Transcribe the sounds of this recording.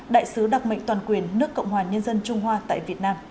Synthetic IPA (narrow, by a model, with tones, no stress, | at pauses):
ɗa̰ː˧˨jsɨ˨˦ɗa˨˩k͡p̚mḭ˧˨ŋ̟t̪waː˨˩nkwi˨˩ənːɨ˦˥əkːə̰˧˨wŋ͡mhwaː˨˩ɲə˧nzə˧nt͡ɕʊ˧ŋ͡mɦwaː˧t̪a̰ː˧˨jvi˨˩ət̚naː˧m